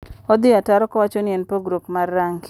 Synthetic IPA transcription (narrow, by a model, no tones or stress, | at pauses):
ɔd̪ɪataɾɔkɔwat͡ʃɔnɪɛnpoɡɾopmarːaŋɡ